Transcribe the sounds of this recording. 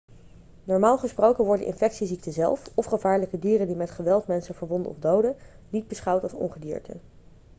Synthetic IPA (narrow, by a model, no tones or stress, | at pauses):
nɔɹmaːlˠχəsprowkənʋɔɹdə̰ʔɪ̰nfɛksizik̚təzɛ̰lˠfɔfχəvaːɹləkədiːrəndimɛtχəʋɛlˠtmɛnsənvəɹbɔndənɔ̰fdowdə | nid̚bəsχɑwtɑlˠsɔ̰ŋχədḭːɹtʰə̰